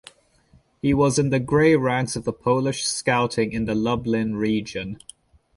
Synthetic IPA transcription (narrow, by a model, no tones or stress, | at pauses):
hiwɒzɪ̃nðəɡɹeɪɹæ̃nsəvðəpʰəʊlɪʃskaʊtʰɪ̃ŋɪ̃nðəlʌblɪ̃nɹiːd͡ʒə̃n